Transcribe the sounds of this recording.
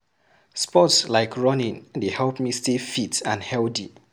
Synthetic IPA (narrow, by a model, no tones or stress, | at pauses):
spɔtslaɪkʰɹɔnĩndehɛlpmistefitãnhɛldḭ